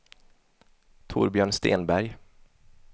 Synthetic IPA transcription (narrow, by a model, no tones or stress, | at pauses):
t̪ʰʊ̰ːɾbjœːɳst̪ḛːnbæɾj